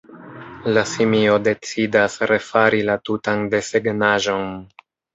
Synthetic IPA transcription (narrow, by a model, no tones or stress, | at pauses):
lasimio̞de̞t͡sidasɾe̞faɾilatutande̞se̞ɡnaʒo̞n